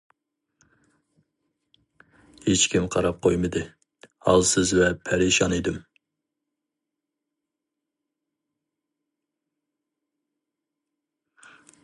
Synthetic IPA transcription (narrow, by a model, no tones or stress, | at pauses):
het͡ʃkʲimqʰɑɾɑp̚qʰojmɨd̪ɨ | hɑ̰lˠsɨzvɛpʰæɾeʃɑned̪ɨm